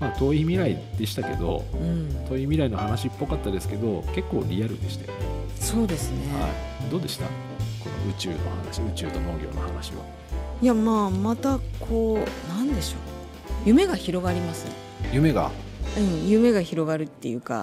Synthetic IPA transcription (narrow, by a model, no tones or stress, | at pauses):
maːt̪o̞ːimʲiɾaid̪̥e̞ɕi̥t̪ake̞d̪o̞̰ɯ̟̃ɴt̪o̞ːimʲiɾaino̞hanaɕipːo̞kat̪ːad̪e̞sɨ̥ke̞d̪o̞ke̞kːo̞̰ːɾʲiaɾɯ̟d̪e̞ɕi̥t̪ajo | so̞ːd̪e̞sɨneha̰i | d̪o̞ːd̪e̞ɕi̥t̪a̰ | ko̞no̞̰ɯ̟t͡ɕɨ̰ːno̞hana̰ɕiɯ̟t͡ɕɨːt̪o̞no̞ːɡʲo̞̰ːnohanaɕiβa̰ | jamaːmat̪akʰo̞ːnãnd̪e̞ɕo̞ː | jɯ̟me̞ɡaçiɾo̞ɡaɾʲimasɨ | jɯ̟me̞ɡa̰ | ɯ̟̃ɴjɯ̟me̞ɡaçiɾo̞ɡaɾɯ̟t̪ːe̞̰jɯ̟ka̰